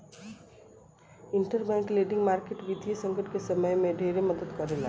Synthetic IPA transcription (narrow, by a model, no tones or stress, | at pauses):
ɪɳʈəɾbɛ̃ːŋkleːɖɪ̃ŋɡmaːɾkeʈʋid̪ʱijesə̃ŋɡəʈkesəməjmẽɖʱeːɾeməd̪əd̪kɐɾelaː